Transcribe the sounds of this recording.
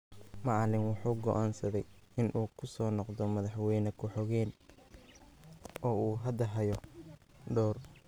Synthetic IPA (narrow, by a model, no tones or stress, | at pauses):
mɑʕlɪnwɑħuːɡɔʔaːnsɐðɛjɪnʔuːkʰʊsɔːnɔqd̪ɔmɐðɑħwɛjnɐkʰʊħɔɣɛːn | ʔɔːuːɦɐd̪ɐɦɐjɔ | ɖɔːr